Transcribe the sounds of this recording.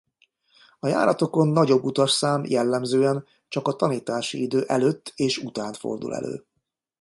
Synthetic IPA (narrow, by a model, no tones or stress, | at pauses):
ɒja̰ːɾɒt̪o̞ko̞nːɒɟo̞bːut̪ɒʃsaːmjɛlːɛmzøːɛn | t͡ʃɒkɒt̪ɒniːt̪aːʃḭid̪øːʔɛløːt̪ːeːʃut̪aːnt̪fo̞̰rd̪ṵlɛ̰lø̰ː